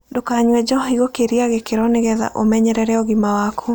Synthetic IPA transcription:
dokaɲwɛd͡ʒɔɦiɣokeɾiaɣekeɾɔneɣɛða̰ʔomɛɲɛɾɛɾɛɔɣimawakʰo

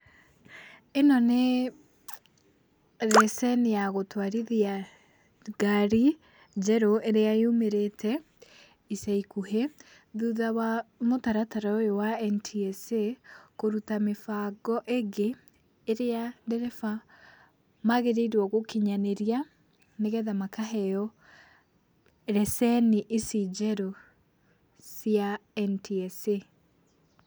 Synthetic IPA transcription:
enɔne | ɾɛsɛnejaɣotwaɾiðia | ɡaɾi | d͡ʒɛɾoʔeɾeaeumeɾetʰɛ | isaikuhe | ðuðawamotaɾataɾaojowaɛntʰiɛsekoɾutamefaɡɔʔeɡeː | ɾeadɛɾɛfa | maɣeɾeiɾwɔɣokeɲaneɾia | neɣɛðamakaɦɛjɔ | ɾɛsɛniʔesid͡ʒɛɾɔ | sjaɛntʰiɛse

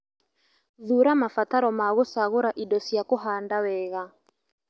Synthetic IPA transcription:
ðuɾamafataɾɔmaɣosaɣʊɾaʔidɔsiakoɦandawɛɣa

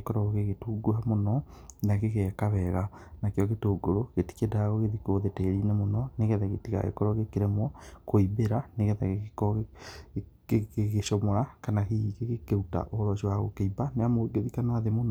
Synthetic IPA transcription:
ekɔɾɔɣɣeɣetuːɡoamonɔnaɣeɣɛkaβɛɣanakeɔɣetoːɡoɾoɣ̥eti̥kedaɣoɣeðikoðeteɾinɛmonɔneɣɛðɛɣetiɣa̰ɣḛkɔɾɔɣekeɾemwɔkoibeɾaneɣɛðɛɣekɔ | eɣeʃɔmɔɾakanahiɣeɣekeuta̰ʔoɾɔɕiwaɣokeibaneamoɡeðikanaðemonɔ

